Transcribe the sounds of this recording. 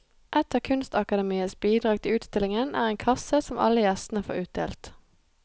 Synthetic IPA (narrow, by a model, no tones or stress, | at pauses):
ʔɛt̪əʁkʰʉnst̪ɑkɑd̪ɛmiːəsbiːd̪ʁɑːɡ̚t̪ʰɪlʉːt̪st̪ɪlɪŋənæ̰ːʁeːŋkʰɑsəsɔmʔɑ̰ləjæst̪n̩əfo̰ːʁʉːt̪̚d̪ḛːlt̪